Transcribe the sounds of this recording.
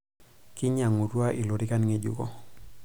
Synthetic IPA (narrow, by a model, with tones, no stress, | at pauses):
ki˦ɲa˨ŋu˨ɾu˦a˦ʔi˨lo˨ɾi˦ka˦nŋe˦ɟṵ˦kɔ˦